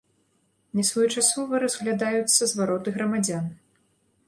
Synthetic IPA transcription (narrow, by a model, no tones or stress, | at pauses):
nʲɛsvɔjut͡ʂasɔvɨɾɐzɣlʲad̪ajut̪sːɐzvaɾɔt̪ɨɣɾɐmad͡zʲan